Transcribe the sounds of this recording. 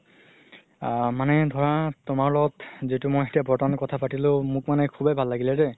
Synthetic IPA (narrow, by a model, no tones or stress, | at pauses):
manɛdʱɔɹatʊmaɹlɔɡɔtzitʊmojxetiabʱɔtɔnɔkɔtʰapatilʊ̃mʊkmanɛkʰubebʱalːaɡilɛdɛ